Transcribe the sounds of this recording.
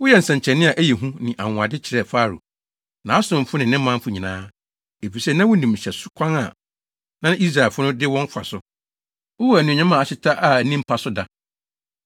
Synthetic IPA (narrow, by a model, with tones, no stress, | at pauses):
wʊ˦jɛ˦˨n̩˨sɛ̃˨ɲ˨t͡ɕʰɛ˨nɪ̃˦a˨ʔæ˦jɛ˨ɦũ˦nɪ̃˨ʔa˨ŋʊ̃˨a˨dɪ˦t͡ɕʰɪ˨ɾɛ˦˨faː˦˨ɾṵ˨ | nã˨a˦sʊ̃˨m̩˨fʊ˦nɪ̃˨nɪ̃˦ã˦m̩˦fʊ˨˦ɲĩ˨nãː˦ | e˨fi˨sɛ˦nã˦wʊ˦nĩ˨m˨ɕɛ˨sʊ̥˦kʷʰã˦ŋa̰˨ | nã˦i˦s̬ɾa˨e˨fʊ˦nʊ̃˦dɪ˦wɔ̃˦ŋ̩˦kʷʰa̰˨sʊ˦ | wʊ˦wɔ˦æ˨nũ˨ɲã˦mã˨a˨ɕɪ˦tʰa˦ʔa˨nĩ˦m̩˦pʰa˨sʊ˦da˦